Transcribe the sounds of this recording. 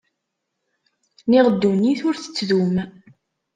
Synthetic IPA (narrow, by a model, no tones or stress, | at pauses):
niʁəd̪ːuniθʊɾθə̥t͡sːðum